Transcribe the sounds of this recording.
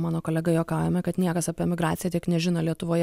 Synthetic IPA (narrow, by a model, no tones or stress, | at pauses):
mɑːnoːkoːlʲɛɡɐjoːkɑʊjɛmʲɛkɐt̪nʲiɛkɐsɑpʲiɛmʲɪɡɾɑːt̪sʲɪjɛt̪ʲiɛknʲɛʒʲɪnɐlʲiɛt̪ʊʋoːjɛ